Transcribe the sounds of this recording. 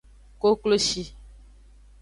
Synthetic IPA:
ko˦klo˦ʃi˦

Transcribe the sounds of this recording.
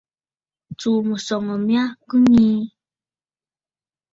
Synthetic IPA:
t͡su˨mu˨sɔ˨ŋə˨mĩ˦a˦kɨ˦ɲĩ˦

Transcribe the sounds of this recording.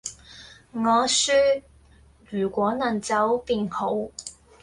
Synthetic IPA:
ŋɔː˨˧syː˥ | ɥyː˨˩kʷwɔː˨˥nɐ˨˩nt͡sɐ˨˥wpiː˨nho˨˥w

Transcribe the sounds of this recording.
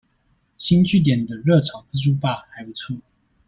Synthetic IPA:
ɕi˥nt͡ɕy˥˩t̪̬jɛ˨˩ni˨˩d̪ə˦ɻɤ˥˩ʈ͡ʂʰɑ˨˩˦ʊt͡sɹ̩˥ʈ͡ʂu˥˧pa˥˩xa˧˥ɪpu˧˥t͡sʰu˥˩

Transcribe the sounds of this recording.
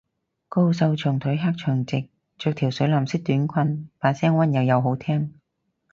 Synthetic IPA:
ko˥ws̬ɐ˧wt͡ʃʰɵ˨˩ŋt̪ʰɵ˨˥jɦaː˥k̚t͡ʃʰœː˨˩ŋt͡sɪ˨k̚ | t͡ʃœː˧k̚t̪ʰi˨˩wsɵ˨˥laː˨msɪ˥k̚t̪yː˨˥nkʷʰɐ˧nfaː˨˧nsɛː˥ŋwɐ˥njɐ˨˧wjɐ˨˧wɦo˨˥wt̪ʰɛː˥ŋ

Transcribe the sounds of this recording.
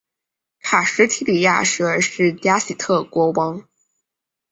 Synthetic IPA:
kʰa˨˩ʂɻ̩˧˥t̪ʰi˧˥li˨˩ja̰˥˧ʂɻ̩˥ə˞˧˥ʂɻ̩˥˩t̪ja˥si˨˩t̪ʰɤ˥˩kwɔ˧˥wɑ˥ŋ

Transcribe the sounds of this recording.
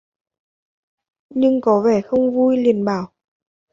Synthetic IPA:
ɲɨ˧ŋkɔ˨˦ve˧˩xə˧wŋ͡mvu˧jli˨˧˩ənɓaː˧˩w

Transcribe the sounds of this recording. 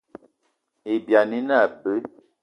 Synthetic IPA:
e˨bja˨ni˦na˦˨bə˦

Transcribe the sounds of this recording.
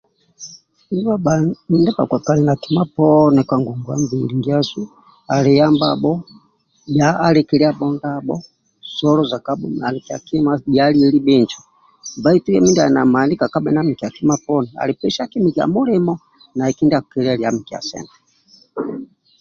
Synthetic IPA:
i˦ni˦wa˦a˨ndɛ˦pa̰˨kwa˨ka˨lɛ˨na˨ki˨ma˦pɔnɛ˨kwa˨ŋɡu˨ŋɡu˨a̰˦mbili˨ŋɡi˦a˦su˦ | a˨li˨ja˦mba̰bɔ˦ | bjaː˦lɛ˦kɛ˦li˦a˦ɓɔ˦ndabɔ̰˦ | sɔ˦lɔza˨ka˦ɓu˦a˨li˨ki˨a˨ki˦mabjali˦ɛ˦li˦bɛ˦nt͡ʃɔ˨ | mba˦i˦tu˦jɛ˦mi˦ndi˦a˨na̰˨ma˨ni˦ka˨ka˦ɓɛ˨na˦mi˨ki˨a˨ki˦ma˦pɔnɛa̰˨li˨pɛ˦ʃa˦ki˦mi˨ki˨a̰˨mu˦li˦mɔ˦ | na˨ɛ˨ki˦ndi˦a˨kɛ˨li˦a˦li˨a˦mi˨ki˨a̰˨sɛ̰˨ntɛ

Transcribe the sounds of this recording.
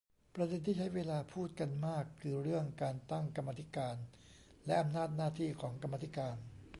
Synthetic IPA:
pɾa˧de˧nt̪ʰiː˥˩t͡ɕʰa˦˥jweː˧laː˧pʰuː˥˩t̪̚ka˧nmaː˥˩kʰːɯː˧ɾɯ˥˩əŋkaː˧nt̪a˥˩ŋka˧mːaː˧t̪ʰi˦˥kaː˧n | lɛ˦˥ʔa˧mnaː˥˩t̪̚naː˥˩t̪ʰiː˥˩kʰɔː˩˦ŋka˧mːaː˧t̪ʰi˦˥kaː˧n

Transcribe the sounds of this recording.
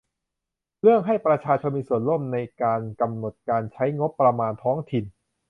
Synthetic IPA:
ɾɯ˥˩əŋɦa˥˩jpɾa˧t͡ɕʰaː˧t͡ɕʰo˧nmiː˧su˨˩ənlo˥˩mna˧jkaː˧nka˧mno˨˩t̪̚kaː˧nt͡ɕʰa˦˥jŋo˦˥pːɾa˧maː˧nt̪ʰɔː˦˥ŋt̪ʰi˨˩n

